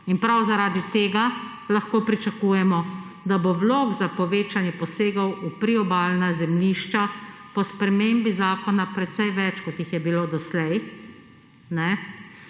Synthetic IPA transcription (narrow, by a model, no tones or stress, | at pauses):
inpɾawzaɾaːd̪it̪eːɡa | laxkoːpɾit͡ʃakuːjɛmɔ | d̪abowloːɡzapɔʋeːt͡ʃanjɛpɔseːɡɐwupɾiɔbaːlnazɛmliːʃt͡ʃa | pɔspɾɛmeːmbizaːkɔnapɾɛt̪sɛjʋɛt͡ʃkɔt̪jixjɛbiloːd̪ɔslɛj | nɛ